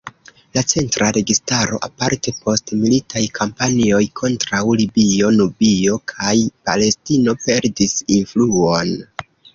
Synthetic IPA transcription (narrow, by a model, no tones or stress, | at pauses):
lat͡se̞ntɾaɾe̞ɡistaɾo̞̰ʔa̰paɾte̞pʰo̞stmilitʰajkʰampanio̞jkʰo̞ntɾawlibio̞nubio̞kʰajpa̰le̞stino̞pe̞ɾdisinfluo̞n